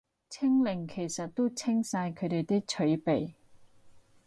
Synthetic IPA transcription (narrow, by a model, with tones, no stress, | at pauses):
t͡sʰɪ˥ŋlɪ˨˩ŋkʰe˨˩jsɐ˨t̚t̪ːo˥t͡sʰɪ˥ŋsaː˧jkʰɵ˨˧t̪e˨jt̪ɪ˥k̚t͡ʃʰɵ˨˥ɥpe˨j